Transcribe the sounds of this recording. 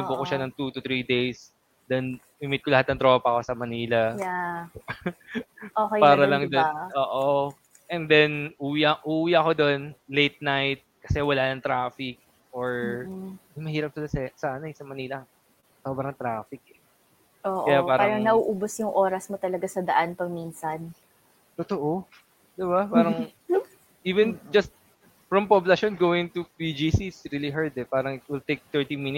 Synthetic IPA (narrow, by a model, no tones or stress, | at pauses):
ʊbʊkoʃanɐŋt̪ut̪ʊt̪ɾid̪ejs | d̪ɐn | mɪmɪt̪̚kolɐhat̪nɐŋt̪ɾo̞ːpɐko̞sɐmɐniːlɐja | okejpaːɾɐlɐŋd̪onʔoːʔo | ʔɛnd̪ɛnʔuːwiʔɐŋʔuːwiʔɐko̞d̪o̞nlejt̪̚najt̪̚kɐ̥sɛwɐlanɐŋt̪ɾaːfɪk̚ | ʔoɹ | d̪ɪmɐhiːɾɐp̚sɪlasɛsaʔɐnɐɛsɐmɐniːlɐ | soːbɾɐŋt̪ɾaːfɪk̚ɛ | ʔoːʔkɐjapaːɾpɐaːɾɐŋnɐʔuːʔuːbosjʊŋʔoːɾɐsmot̪ɐlɐɡasɐd̪ɐʔanpɐɡ̚minsɐn | t̪ot̪oʔo | d̪ɪbapaːɾɐŋ | ʔiːvɛnd͡ʒɐst̪̚ | fɹɐmpoblɐʃonɡoːwɪŋt̪upid͡ʒisisɾiːliɦaɹd̪ɛpaːɾɐŋɪwɪlt̪ejk̚t̪ɛɹt̪iminɪ